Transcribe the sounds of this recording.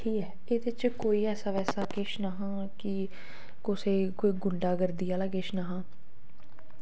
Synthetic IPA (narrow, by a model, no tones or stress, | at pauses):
ʈʰiːkɛː | eːd̪ɪt͡ʃkoːiːɛːsaːʋɛːsaːkɪʃnaɦãː | kɪ | kʊseːkoːiːɡʊɳɖaːɡəɾd̪iːaːlaːkɪʃnaɦãː